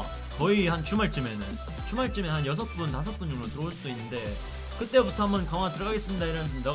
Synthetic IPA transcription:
kʌihant͡ɕʰumaɭt͡ɕ͈ime̞nɯn | t͡ɕʰumaɭt͡ɕ͈ɯmeɦanjʌs̬ʰʌp͈untasʰʌp͈und͡ʑoŋɾotɯɾʌuɭs͈udoinːɯnde̞ | kɯt͈e̞butʰʌɦamʌnkaŋaatɯɾʌɡaɡe̞s͈ɯmɲidaiɾʌndɯnda

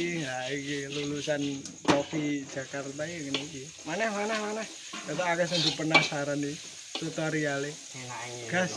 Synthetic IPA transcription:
ŋaikilulusankofi̥d͡ʒ̥a̤kart̪aikəniki | manɛhmanɛhmanɛh | kat̪aakasaŋb̥i̤pənahsaɾani | t̪ut̪ɔɾiale | ɡ̥as

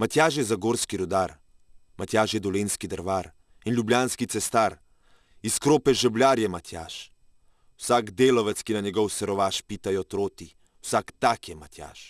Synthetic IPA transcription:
mat̪jaːʃ̬jɛzaɡoːɾskiɾud̪aːɾ | mat̪jaːʃjɛd̪ɔleːnskid̪əɾʋaːɾ | inlʲjublʲjaːnskit̪sɛst̪aːɾ | iskɾoːpɛʒɛblʲjaːɾjɛmat̪ja̰ːʃ | wsaɡd̪eːlɔʋɛt̪skinaɲɛɡɔwsɛɾɔʋaːʃpiːt̪ajɔt̪ɾoːt̪i | wsakt̪aːkjɛmat̪ja̰ːʃ

